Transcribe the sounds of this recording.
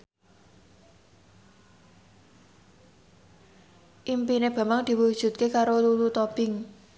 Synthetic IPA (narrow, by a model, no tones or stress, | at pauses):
ʔimpineb̥a̤maŋd̪̥i̤wud̥ʒ̥ṳt̪̚kekaɾolulut̪ob̥ɪŋ